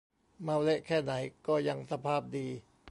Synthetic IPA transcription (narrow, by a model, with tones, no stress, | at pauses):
ma˧wle˦˥ʔkʰɛː˥˩na˩˦jkɔː˥˩ja˧ŋsa˧pʰaː˥˩p̚diː˧